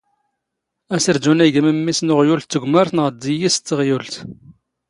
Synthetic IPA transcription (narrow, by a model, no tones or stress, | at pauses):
æsəɾd͡ʒunæɡməmːisnʊʁjult̪ːəɡʷməɾθnʁəd̪ːijist̪ːəʁjult̪